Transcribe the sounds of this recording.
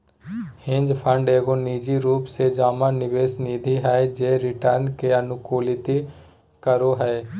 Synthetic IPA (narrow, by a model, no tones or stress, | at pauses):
hɪ̃nd͡ʒpʰəɳɖeːɡoːniːd͡ʒiɾuːpseːd͡ʒaːmãːnɪʋeːsniːd̪ʱiɦɛed͡ʒeːɾɪʈəɾnkeːənʊkuːlɪt̪i | kəɾoːɦɛe